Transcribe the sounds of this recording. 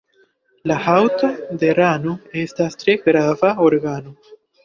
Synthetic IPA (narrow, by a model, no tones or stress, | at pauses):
lahawt̪ad̪e̞ɾanoe̞stastɾe̞ɡɾavaoɾɡano